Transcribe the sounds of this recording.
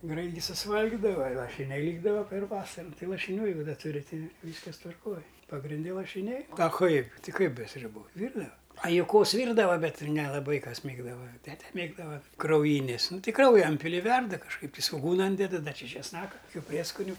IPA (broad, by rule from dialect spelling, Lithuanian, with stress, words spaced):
ˈɡrɐɪt ɡʲɪ sʊsˈʋɐlʲɡʲɪdɐʋɐ ɪ lˠɐʃʲɪˈnʲɛɪ ˈlʲiːɡdɐʋɐ pʲɛr ˈʋɑːsɐrʊ ˈtɐɪ lˠɐʃʲɪnʲˈuː jɛɪˈɡʊ ˈdɐ ˈtʊrʲɪ ˈtɐɪ ˈʋʲiːskɐs tʋɐrˈkoːj pɐɡrʲɪnʲˈdʲɛ lˠɐʃʲɪˈnʲɛɪ ɐ ˈkɐɪp ˈtʲɪ ˈkɐɪp bʲɛ sʲrʲʊˈbuː ˈʋʲiːrdɐʋɐ ɐ jʊˈkoːs ˈʋʲiːrdɐʋɐ ˈbʲɛt nʲɛlˠɐˈbɐɪ ˈkɐs ˈmʲeːɡdɐʋɐ ˈtʲæːtʲɛ ˈmʲeːɡdɐʋɐ krɐʊˈjiːnʲeːs ˈnʊ ˈtʲɪ ˈkrɐʊjɛ ˈɪnʲpʲɪlʲɪ ɪ ˈʋʲɛrdɐ kɐʃˈkɐɪp tʲɪ sʋoːˈɡuːnɐ ˈiːnʲdʲɛdɐ ˈdɐ ˈt͡ʃʲɪ t͡ʃʲɛsˈnɑːkɐ kʊˈkʲuː ˈpʲrʲiɛskʊnʲʊ